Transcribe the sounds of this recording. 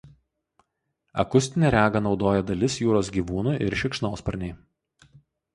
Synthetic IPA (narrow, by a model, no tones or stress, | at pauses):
ɐ̰kʊsʲt̪ʲɪnʲɛɾʲæːɡɐnɒʊd̪oːjɛd̪ɐlʲɪsjuːɾoːsɡʲiːʋuːnuːʔɪɾʃʲɪkʃnoːspɐɾʲnʲɛɪ